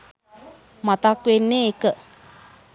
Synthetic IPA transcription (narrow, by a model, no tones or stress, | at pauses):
mãt̪akʷenẽekə